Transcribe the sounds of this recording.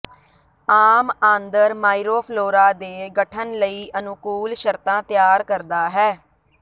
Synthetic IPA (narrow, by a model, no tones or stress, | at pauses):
aːmãːnd̪əɾmaːiɾoːpʰloːɾaːd̪eːɡəʈʰənləiːʔənʊkuːlʃəɾt̪ãːt̪ɪjaːɾkəɾd̪aːɦɛː